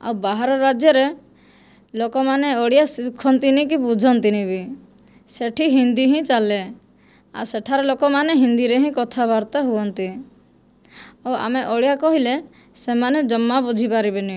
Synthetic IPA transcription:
a̰wbaɦaɾɔɾad͡ʒjɔɾe | lokɔmaneɔɽijasikʰɔnt̪inikibud͡ʒʱɔnt̪inibi | seʈʰiɦind̪iɦĩt͡ʃale | a̰seʈʰaɾɔlokɔmaneɦind̪iɾeɦĩkɔt̪ʰabaɾt̪aɦuɔnt̪i | ɔa̰meʔɔɽjakɔɦile | semaned͡ʒɔmːabud͡ʒʱipaɾibenĩ

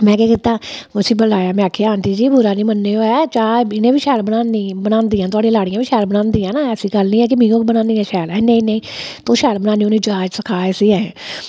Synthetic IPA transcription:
mɛ̃ːkeːkit̪aːʊsĩːbəlaːjaːmɛ̃ːaːkʰeːaːnt̪iːd͡ʒiːbʊɾaːniːmənːeːoːɛːt͡ʃaːɪnẽːbiːʃɛːɾbənaːniːbənãːnd̪iːãːt̪̬ʊaːɖĩːlaːɽiːãbiːʃɛːɾbənãːnd̪iːɛ̃ːnãːɛːsiːɡəlnĩːɛːk̬ɪmĩːõːkːbənãːnd̪iːɛ̃ːʃɛːlɛːnẽĩːnẽĩː | t̪oːʃɛːɾbənaːnĩoːnẽːd͡ʒaːd͡ʒsəkʰaːɛːsiːɛ̃ː

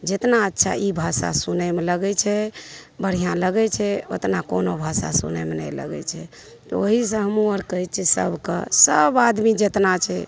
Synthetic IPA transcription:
d͡ʒet̪naətːʃʰa̰ʔibʱasa̰sunɛmeləɡɛt͡ʃʰɛbəɽ̤ijãləɡɛt͡ʃʰɛo̰t̪nakonobʱasa̰sṵnɛ̰menɛlə̰ɡɛ̰t͡ʃʰɛ̰ | t̪ɔoɦis̬ə̃ɦəmuəɾkəɦit̪̚t͡ʃʰisə̰bkḛsəbad̪mid͡ʒet̪nat͡ʃʰɛ

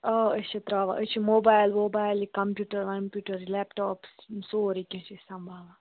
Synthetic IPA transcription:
oət͡ʃʰɐt̪ɾaːʋa̰ʔət͡ʃʰimoːbaːjlmoːbaːjlikɐmpʲjuːʈɐɾʋɐmpjuːʈɐɾlɛpʈɔːpssoːɾikʲɐ̃t͡ʃʰisɐ̃mbʱaːʋa

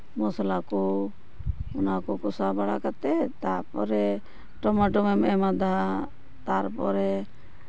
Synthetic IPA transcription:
mɔsalakɔ | ɔnakɔkɔsabaɽakat̪ɛt̪aɾpɔɾɛ | ʈɔmaʈɔmɛmɛmad̪a | t̪aɾpɔɾɛ

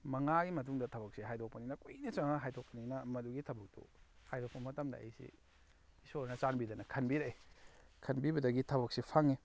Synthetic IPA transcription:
mɐŋaɡimɐt̬uŋdɐtʰɐbɐk̚siɦajdʰok̚pɐninɐkojnit͡ʃaŋɐɦajtʰok̚pɐninɐmɐduɡitʰɐbɐk̚to̰hajdʰok̚pɐmɐtɐmdɐ̰ḛjsḭ | isoɾnɐt͡ʃanbidɐnɐkʰɐnbiɾajkʰɐnbibɐdɐɡitʰɐbɐk̚sipʰaŋi

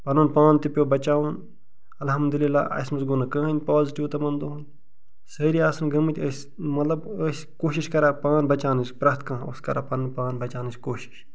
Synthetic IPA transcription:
pɐnunpaːnt̪ipʲjobɐt͡ʃaːwun | ɐlɦɐmd̪ulilːa̰ːʔɐ̰smɐsɡonɐkɐ̃ːɦɐnʲpaːziʈiʋt̪ɐmɐnd̪oɦunʲ | sɐɾiaːsɐnɡɐmɐt̪ʲəs | mɐt̪lɐbəsʲ | koːʃiʃkɐɾaːpaːnbɐt͡ʃaːnispɾɐt̪kɐ̃o̰skɐɾa̰pɐnɐnpaːnbɐt͡ʃaːnɨskoːʃi̥ʃ

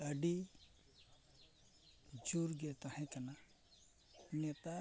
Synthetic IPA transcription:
əɖi | d͡ʒuɾɡet̪ahɛ̃kɐna | net̪a

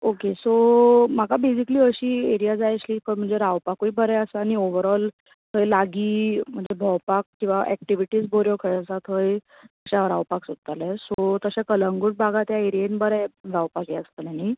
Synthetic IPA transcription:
okesom̤akabesikliːəɕiːeɾijad͡zajɕliːpəɾm̤əɳd͡zeɾaʋpakujbəɾɛəsəañioʋəɾɔl | ɦʰəjlaɡiːm̤əɳd͡zebʱɔwpak̚kĩw̃ʋaʔɛk̚ʈiʋiʈiːd͡zboɾjokʰəjəsat̪ɦəj | əɕaɾawpaksod̪̚t̪alɛsot̪əɕakələŋɡuʈ̚bʱaɡat̪jaeɾijenbəɾɛɾawpakjeəst̪ənani

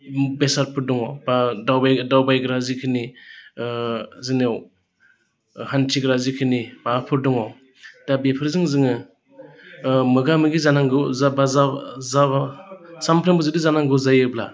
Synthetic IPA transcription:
besaɾpʰɯɾdɔŋɔbadawbajdawbajɡɾazikʰɯni | zɯnew | hantʰiɡɾazikʰɯnimaːpʰɯɾdɔŋɔ | d̥abepʰɯɾzɯŋzɯŋɯ | mɯɡamɯɡizanaŋɡɯabazaza | sampʰɾembɯzɯdizanaŋɡɯwzajɯbla̰

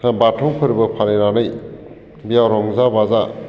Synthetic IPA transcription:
nabatʰɔwpʰɯɾibɐpʰanejɾanɯj | bijawɾɔŋzabaza

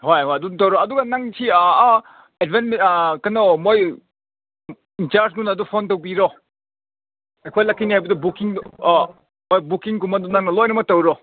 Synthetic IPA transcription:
hojoɐduntɐwɾoɐduɡanaŋsʰi | edbenmkɐnɔmoj | int͡ʃaɾsɡunɐdupʰontɐwbiɾo | ejkʰojlakʰːinihajbɐdɐbukiŋ | mojbukiŋkumɐdunaŋnɐlɔjnɐmɐk̚tɐwɾɔ

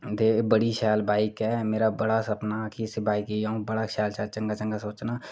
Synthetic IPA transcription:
d̪eːbəɽiʃaːlbʱaːɪkɛmeːɾabɐɽasɐpnakʰisebʱaːikijaũbɐɽaʃaːlʃaːlt͡ʃɐ̃ŋɡat͡ʃə̃ŋɡasoːt͡ʃnaː

